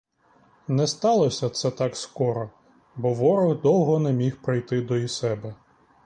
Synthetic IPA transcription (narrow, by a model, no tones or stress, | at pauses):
nɛst̪ɑlˠɔsʲɐt̪sɛt̪ɑkskɔɾɔ | bɔʋɔɾɔɣd̪ɔwɦɔnɛmʲixpɾɪjt̪ɪd̪ɔisɛbɛ